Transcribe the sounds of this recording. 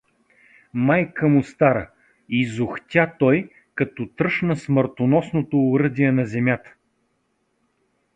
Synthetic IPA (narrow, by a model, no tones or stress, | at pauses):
majkəmʊst̪aɾə | izʊxt̪ʲat̪ɔj | kɐt̪ɔt̪ɾɤʃnəsməɾt̪onɔsnot̪oːɾɤd̪iɛnɐzɛmʲjat̪ə̥